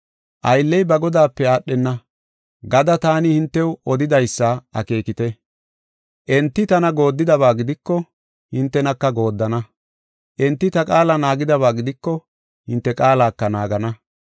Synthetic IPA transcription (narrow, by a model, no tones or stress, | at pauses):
ʔɐjlːɛjbɐɡɔd̪aːpːɛaːɗɛnːɐ | ɡɐd̪ɐt̪aːnɪhɪnt̪ːɛwɔd̪ɪd̪ɐjsːɐɐ̰ke̞ːkɪt̪ɛ | ʔɛnt̪ːɪt̪ɐnɐɡo̞ːd̪ːɪd̪ɐβaːɡɪd̪ɪkːɔ | hɪnt̪ːɛnɐkːɐɡo̞ːd̪ːɐnɐ | ʔɛnt̪ːɪt̪ɐkʼaːlɐnaːɡɪd̪ɐβaːɡɪd̪ɪkːɔ | hɪnt̪ːɛkʼaːlaːkːɐnaːɡɐnɐ